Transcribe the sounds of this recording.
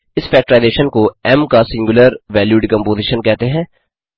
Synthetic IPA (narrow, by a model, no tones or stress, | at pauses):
ɪsfɛːk̚ʈəɾaːɪzeːʃənkoɛmkasɪ̃ŋɡʊləɾʋɛːljuːɖkɐ̃mpoːziːʃənkɛɦt̪eɦɛ̃ː